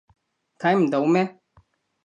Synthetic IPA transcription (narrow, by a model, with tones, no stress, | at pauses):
t̪ʰã˨˦jm˨d̪a˨u˦me˦